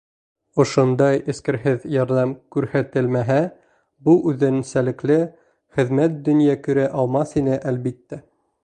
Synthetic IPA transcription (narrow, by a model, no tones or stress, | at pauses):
ŏʃond̪ɑjɘ̆skɘ̆ɾɦɘðjɑɾðɑmkʉɾhæt̪ɘlmæɦæ | buʔʉðɘ̆nsælɘ̆klɘ | χɘ̆ðmæt̪̚d̪ɵ̆njækɵ̆ɾæʔɑlˠmɑsinɘʔælbit̪ːæ